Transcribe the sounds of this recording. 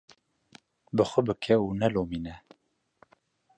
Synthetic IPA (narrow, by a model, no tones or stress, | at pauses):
bɨxʷəbɨkʰɛuːnɛloːmiːnɛ